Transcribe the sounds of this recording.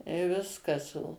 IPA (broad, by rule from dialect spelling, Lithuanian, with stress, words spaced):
ɪ ˈʋʲɪskɐs oː